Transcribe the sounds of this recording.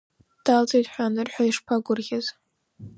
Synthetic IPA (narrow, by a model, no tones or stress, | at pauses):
d̥alt͡sʼejtʼħʷaːnɨrħʷᶣaiʂpʰaɡʷʊrɣʲaz̥